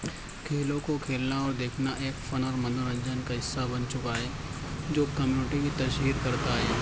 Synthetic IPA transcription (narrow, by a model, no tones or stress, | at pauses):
kʰeːlõkokʰeːlnaɔːɾd̪eːkʰnaʔeːkfɐnəɾmɐnəɾə̃ɲd͡ʒaːnkaɦɪsːabɐnt͡ʃʊkaɦɛː | d͡ʒoːkɐmjuːnɪʈimit̪ɐʃɦiːɾkɐɾt̪aɦɛː